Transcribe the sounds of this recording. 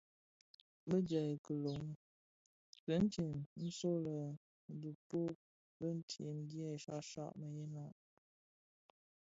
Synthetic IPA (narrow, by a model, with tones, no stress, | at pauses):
bə˦d͡ʒə˨kə˨lo˨˦ŋ˦ | kə˨˦n̩˦te˨mn̩˦so˦lə˨ | n̩˨du˨po˦ | bə˦n̩˦tʰḛ˨n̩˦djɛ˦˨ʃa̰˦ʃa̰˦˨ʔmə˨je˦na˦˨ʔ